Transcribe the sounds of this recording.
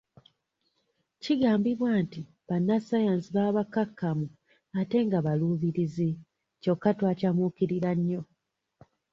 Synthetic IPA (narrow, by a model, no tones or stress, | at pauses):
ciɡaːmbiβwaːnti | βanːasajaːnsiβaːβakakʰːamu | ate̞ŋɡaβaluːβiɾizi | co̞kːatwaːcamukiɾiɾaɲːo̞